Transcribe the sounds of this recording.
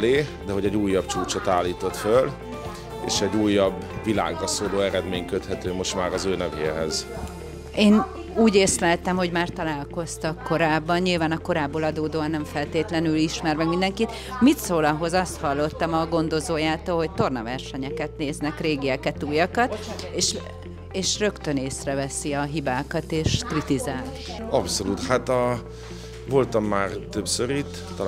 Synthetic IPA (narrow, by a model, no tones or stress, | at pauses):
leːd̪ɛɦo̞ɟɛɟuːjːɒbt͡ʃuːt͡ʃot̪aːlːiːt̪o̞t̪føl | ḛːʃɛɟːuːjːɒbvila̰ːɡrɒsoːloːɛɾɛd̪meːɲkøt̪hɛt̪øːmo̞ʃt̪maːɾɒzøːnɛvḛːɦɛz̥ | eːn | uːɟeːslɛt̪ɛmho̞ɟmaːrt̪ɒlaːlko̞st̪ɒkːo̞ɾaːbːɒnɲilvaːnɒko̞ɾaːbːoːlɒd̪oːd̪oːɒnːɛɱfɛlt̪eːt̪lɛnyliʃmɛrmɛkmind̪ɛŋkit̪ | mit̪soːlɒɦo̞zɒst̪hɒlːo̞t̪ːɒmɒɡo̞nd̪o̞zoːjaːt̪oːlɦo̞c̚t̪o̞rnɒvɛrʃɛɲɛkɛt̪neːznɛkreːɡiɛkɛt̪uːjɒkɒt̪eːʃ | eːʃrø̞kt̪ø̞neːsrɛvɛsiɒɦibaːkɒt̪eːʃkrit̪izaːl | ɒpso̞luːt̪hat̪ɒ | vo̞lt̪ɒmːaːrt̪øbsøɾit̪ː